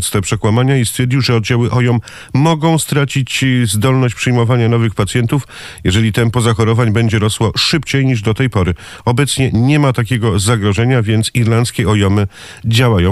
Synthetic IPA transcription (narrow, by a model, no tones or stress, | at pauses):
t̪st̪ɛpʂɛkwamaɲaist̪fʲjɛɾd͡ʑiwʐɛɔd̪d͡ʑawɘʔɔjɔmː | ɔɡɔ̃w̃st̪ɾat͡ɕit͡ɕzd̪ɔlnɔɕt͡ɕpʂɘjmɔvaɲanɔvɘxpat̪sʲjɛnt̪uf | jɛʐɛlʲit̪ɛnpɔzaxɔɾɔvaɲbɛɲd͡ʑɛɾɔswɔʂɘpt͡ɕejɲiʐd̪ɔt̪ɛjpɔɾɘ | ɔbɛt̪sɲɛɲɛmat̪akʲɛɡɔzaɡɾɔʐɛɲavʲjɛnt̪siɾlant̪skʲɛɔjɔmɘ | d͡ʑawajɔ̃